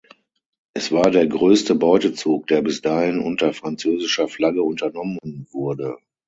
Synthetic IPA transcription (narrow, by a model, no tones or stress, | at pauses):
ʔɛsv̥aːɐdeːɐɡʁøːstəbɔʏtət͡suːk̚d̥eːɐbɪsd̥aːhɪnʔʊntɐfʁ̥ant͡søːzɪʃɐflaɡəʊntɐnɔmənvʊɐdə